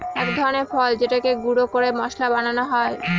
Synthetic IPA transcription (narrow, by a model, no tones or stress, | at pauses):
ɛkd̪ʱɔɾoneɾfɔld͡ʑeʈakeɡuɽokoɾemɔʃlabananoɦɔe